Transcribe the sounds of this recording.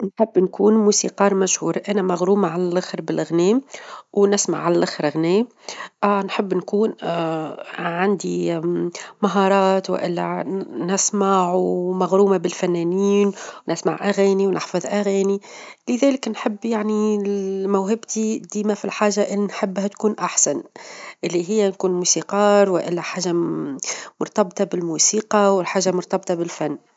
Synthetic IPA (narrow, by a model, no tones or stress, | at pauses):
nħɪbːnkuːnmuːsḭqɑːɾˤmæʃhuːɾʔænæmaɣɾuːmaʕalælʔaxɾbɪlɣnɛːmwnɪsma̰ʕalælʔɪxɾɣnɛːm | ʔnħəbːnkuːn | ʕand̪i | maɦɑːɾˤɑːt̪w̰ʔɪ̰lːɛnɪsmaʕumaɣɾuːmabɪlfænːæːniːnwnɪsma̰ʕʔaɣæːniwnʔɪ̰ħfɑðˤʔæɣæːnilɪðæːlɪknħɪbːjaʕnimæwɦɪbt̪id̪iːmafilħaːʒːaʔɪlːinħɪbːhæt̪kuːnʔaħsanʔɪlːiɦɪjːænkuːnmuːsiqɑːɾwɪʔɪlːæħaːʒa | mʊɾˤt̪ɑbt̪ɑbɪlmuːsiːqɑwɪlħaːʒamʊɾt̪ɑbt̪ˤɑbɪlfanː